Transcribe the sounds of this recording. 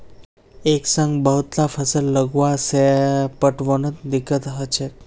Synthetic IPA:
eksəŋɡbəɦut̪lafʰəsəlːəɡʋasepəʈʋənot̪d̪ikːət̪ɦət͡ʃʰe

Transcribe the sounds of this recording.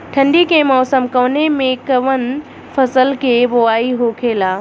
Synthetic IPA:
ʈʰɐ̃ɳɖikʰẽmɔːsəmkoːnemẽkɐʋən | fɐsəlkʰeboaːiɦoːkʰeːlaː

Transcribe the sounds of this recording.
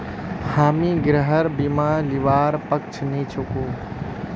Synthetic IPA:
haːmiːɡɾəɦəɾbimaːliʋaːɾpɐk̚t͡ʃʰniːt͡ʃʰukuː

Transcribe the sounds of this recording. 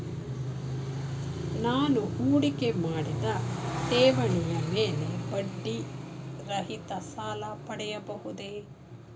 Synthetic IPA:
naːnuuːɽikemaːɽid̪ɐt̪eːʋɐɳijɐmeːlebɐɖːiɾɐɦit̪ɐsaːlɐpɐɽɛjɐbɐɦud̪e

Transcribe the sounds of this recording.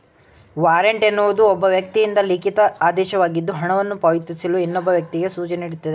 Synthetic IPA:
ʋaːɾeɳʈenːuʋud̪uɔbːɐʋjɐk̚t̪ijind̪ɐlikit̪ɐaːd̪ɛːʃɐʋaːɡid̪ːuɦɐɳɐʋɐnːupɐʋit̪ːisiluinːɔbːɐʋjɐk̚t̪iɡe̞suːt͡ʃɐneiɽut̪ːɐd̪e

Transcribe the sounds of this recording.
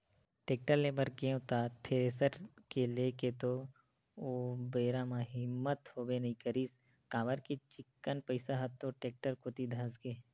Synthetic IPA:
ʈeːk̚ʈəɾleːbəɾkeõt̪at̪ʰeːɾeːsəɾkeleːket̪o | oːbeːɾamãɦɪmːət̪hoːbenɐɦĩkəɾiːs | kãːʋəɾkit͡ʃɪkːənpəɪsaɦɐt̪ːoʈeːk̚ʈəɾkot̪id̪ʱɐ̃skeː

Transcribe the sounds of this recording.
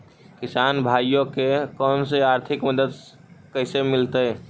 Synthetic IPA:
kisanbʱajjokekənseaɾt̪ʰikməd̪əd̪ | kəɪsemilt̪əj

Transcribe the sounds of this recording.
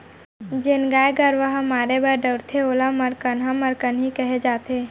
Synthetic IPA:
d͡ʒenɡaːjɡəɾʋəɦəmaːɾebəɖəɾt̪ʰeolaməɾkənɦaməɾkənɦikəɦed͡ʒaːt̪e

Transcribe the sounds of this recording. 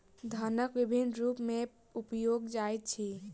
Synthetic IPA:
d̪ʱanəkʋibʱinɾupme | upjoɡd͡ʒajt̪̚t͡ʃʰi

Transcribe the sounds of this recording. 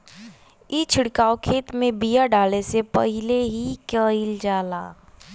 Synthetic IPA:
it͡ʃʰɪɽkaːokʰeːt̪mẽbijaɖaːlesepəɦɪleɦikəild͡ʒaːla̰ː

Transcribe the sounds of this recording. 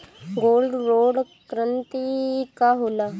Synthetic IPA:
ɡoːlɖɾoːɽ | kɾənt̪ikaɦola

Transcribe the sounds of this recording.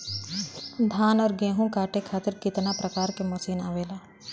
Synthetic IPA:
d̪ʱaːnɔːɾɡẽːɦũkaːʈʰekʰaːt̪ɪɾkɪt̪napɾɐkaːɾkemɐsiːna̰ːʋeːlaː

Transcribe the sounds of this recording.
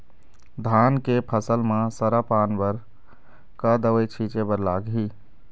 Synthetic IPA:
d̪ʱankepʰəsəlmãsəɾapaːnbəɾ | kad̪əwəjt͡ʃʰit͡ʃebəɾlaːɡɦi

